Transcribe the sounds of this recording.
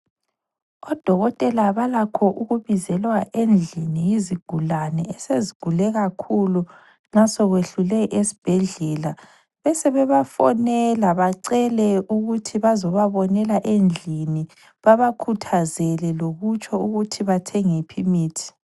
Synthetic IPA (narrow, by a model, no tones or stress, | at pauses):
ɔd̥ʱɔɣɔtʼɛlaβalakʰɔʔuɣuβizɛlwaʔend͡ɮʱiniiziɡ̥ʱulanɛɛseziɡ̥ʱulɛɣakʰulu | nasɔɣweɬulɛʔesi̥b̥ʱɛɮɛla | βɛsɛβɛβafɔ̰nɛlaβaǀɛlɛuɣutʰiβazɔβaβɔnɛlaʔend͡ɮʱini | βaβakʰutʰazɛlɛloɣut͡ʃʰʼɔuɣutʰiβatʰɛŋipʰimiːtʰi̥